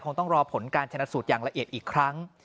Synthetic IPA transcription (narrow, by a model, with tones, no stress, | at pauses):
kʰo˧ŋt̪ɔ˥˩ŋɾɔː˧pʰo˩˦nkaː˧nt͡ɕʰa˧na˦˥t̪suː˨˩t̪̚jaː˨˩ŋla˧ʔi˨ət̪̚ʔiː˨˩kʰɾa˦˥ŋ